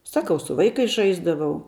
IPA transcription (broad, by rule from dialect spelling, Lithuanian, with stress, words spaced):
ˈsɑːkɐʊ sʊ ˈʋɐɪkɐɪs ˈʒɐɪzdɐʋɐʊ